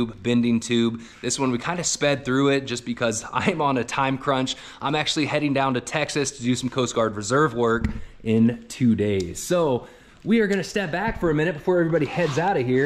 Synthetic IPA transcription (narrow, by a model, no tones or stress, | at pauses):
bbɪ̃ndɪ̃ŋtʰʉb̚ | ðɪswʌ̃nwikʰãɪ̃ndɨspɛd̪̚θɹʉɪt̚d̥ʒ̥ʌsb̥ɨkʰʌzã̰ɪ̃mə̃nɨtʰãɪ̃mkʰɹ̥ʌ̃nt͡ʃ | ʔãɪ̃mæk̚t͡ʃʉl̩ˠihɛɾɪ̃ŋdãʊ̃ntɨtʰɛksɨstʰɨdɨsʌ̃m̩kʰoʊsɡ̥ɑɹd̚ɹɨzɜ˞vwɜ˞kɪ̃ntʰʉdeɪz̥soʊ | wiə˞ɡʌnɨstɛp̚b̥ækfə˞ɨmɪ̃ñɨt̚b̥əfɔɹɛvɹibɑɾihɛdzaʊɾɨhiɹ